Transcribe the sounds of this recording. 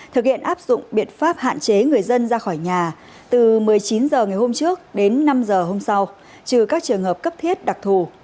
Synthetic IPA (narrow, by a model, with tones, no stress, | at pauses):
t̪ʰɨ˨˩k̚hḭ˧˨ənʔaː˦˥p̚z̥ʊ̰˧˨ŋ͡mɓḭ˧˨ənfaː˦˥p̚ha̰ː˧˨nt͡ɕe˨˦ŋɨ˨˩əjzə˧nzaː˧xɔː˧˩jɲaː˨˩ | t̪ɨ˨˩mɨ˨˩əjt͡ɕi˨˦nzəː˨˩ŋa˨˩jho˧mt͡ɕɨ˦˥ək̚ɗe˨˦nːa˧mzəː˨˩ɦo˧msa˧w | t͡ɕɨ˨˩kaː˦˥k̚t͡ɕɨ˨˩əŋɦəː˨˩p̚kə˦˥p̚t̪ʰi˦˥ət̚ɗa˨˩k̚t̪ʰu˨˩